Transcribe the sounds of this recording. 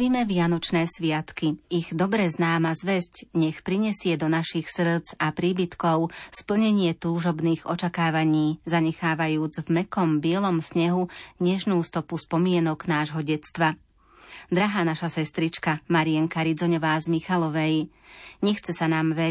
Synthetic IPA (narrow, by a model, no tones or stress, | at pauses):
iːmɛʋɪanɔt͡ʃnɛːsʋɪat̪kiiɣd̪ɔbɾɛznaːmazʋɛscɲɛxpɾiɲɛsɪɛd̪ɔnaʃixsr̩d͡zapɾiːbit̪kɔʊspl̩ɲɛɲɪɛt̪uːʒɔbniːɣɔ̰t͡ʃakaːʋaɲiːzaɲɛxaːʋajuːd͡zvmɛkɔmbɪɛlɔmsɲɛɦuɲɛʒnuːst̪ɔpuspɔmɪɛnɔɡnaːʒɦɔɟɛt͡st̪ʋa | d̪ɾaɦaːnaʃasɛst̪ɾit͡ʃkamaɾiɛŋkaɾid͡zɔɲɔʋaːzmixalɔʋɛj | ɲɛxt͡sɛsanaːmʋɛ